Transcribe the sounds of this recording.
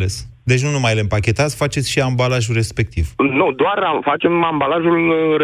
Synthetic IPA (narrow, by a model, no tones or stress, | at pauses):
les | d̪et͡ʃʲnunumajlempakʲe̞t̪at̪sfat͡ʃe̞t̪sʲʃiambalaʒure̞spe̞k̚t̪iv̥nud̪oarafat͡ʃe̞mambalaʒul